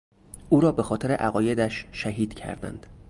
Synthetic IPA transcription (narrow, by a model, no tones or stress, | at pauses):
ʔuːɾɒːbe̞xɒːt̪ʰe̞ɾe̞ʔæɣɒːje̞d̪æʃʃæɦiːd̪̥cʰæ̰ɾd̪æ̰nd̪̥